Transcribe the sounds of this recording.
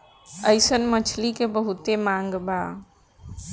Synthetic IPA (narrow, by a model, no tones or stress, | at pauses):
əjsənmət͡ʃʰlikebəɦut̪emaŋɡba